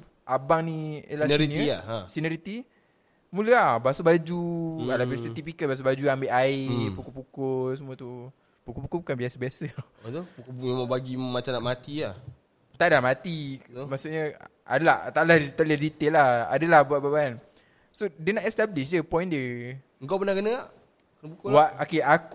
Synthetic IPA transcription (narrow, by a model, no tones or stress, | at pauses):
ʔabaŋnĩlaɾiniaãsinəɾit̪i | muləabasubad͡ʒualabɛst̪ət̪ipikəbas̬ubad͡ʒuambeʔaɪpukopukosəmuət̪u | pukopukobukanbiasəbiasəat̪opukmemabaɡimat͡ʃamnaʔmat̪iah | t̪aʔdamat̪imasuʔɲə | a̰dəlaht̪aʔlaht̪əledit̪eʔlaha̰dəlahbuaʔbaban | sodənaʔɛst̪abliʃ̬d͡ʒəpɔj̃ndə | ŋkapənakənəŋaʔ | kənp̬ukowaʔokeak